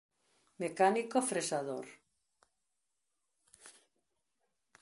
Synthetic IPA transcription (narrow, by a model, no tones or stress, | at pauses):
mekanikofɾesaðo̰ɾ